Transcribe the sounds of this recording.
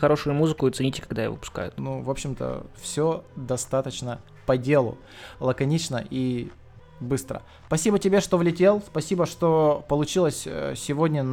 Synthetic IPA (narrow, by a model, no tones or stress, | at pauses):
xɐɾo̞ʂʊjʊmuzɨkʊt̪sɨnʲitʲɪkɐɡd̪ajɪ̰vo̰pʊ̥ska̰jʊ̰t̪nuvo̞pɕːɪmt̪ə̰fsʲod̪ɐst̪at̪ət͡ɕnə | pɐdʲe̞lˠʊ̰ | lˠəkɐnʲit͡ɕnə̰ʔi | bɨst̪ɾə̰ | spɐsʲibətʲɪbʲeʂt̪o̞vlʲɪtʲe̞lˠspɐsʲibəʂt̪o̞pəlˠʊt͡ɕilˠəsʲsʲɪvo̞dʲnʲən